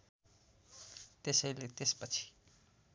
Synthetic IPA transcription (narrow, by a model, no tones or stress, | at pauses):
t̪esʌjlet̪espʌt͡sʰi̥